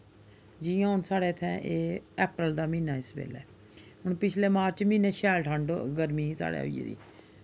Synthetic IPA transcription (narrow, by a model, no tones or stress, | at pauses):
d͡ʒijãːɦʊnsaːɽeːt̪ʰɛ̃ːʔeːɛːpɾəld̪aːmĩːnaːɪsbḛːlɛ̰ː | ɦʊɳpɪt͡ʃʰleːmaːɾt͡ʃmĩːneːʃɛːlʈʰəɳɖɡəɾmiːsa̰ːɽḛːɦo̰ːḭḛːd̪ḭː